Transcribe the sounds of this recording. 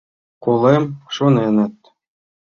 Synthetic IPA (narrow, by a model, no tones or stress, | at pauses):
kulˠemʂunenɘ̆t̪̚ʲ